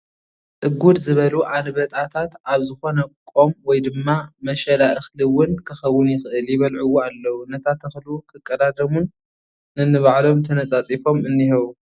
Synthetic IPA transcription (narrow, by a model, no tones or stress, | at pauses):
sʼɨɡud̪zɨβɐluʔalβɐt̪ʼat̪ʰat̪ʔaβzɨxo̞nɐkʼo̞mwɔjd̪ɨmːamɐʃɐlaʔɨxlɨwʊnkʰɨxɐwːʊnjɪxʔɨljɪβɐlʕuwoalːɐwunːɐt̪ʰat̪ɨxlwukʰɨkʼːɐd̪ad̪ɐmunː | ɨnːɨβaʕlo̞mt̪ʰɐnɐt͡sʼat͡sʼifo̞mɨnːihɐβu